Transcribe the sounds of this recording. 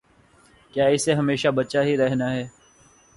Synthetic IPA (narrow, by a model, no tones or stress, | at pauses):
kjaːɪseɦɐmeːʃabɐtːʃaɦiɾɛɦnaɦɛː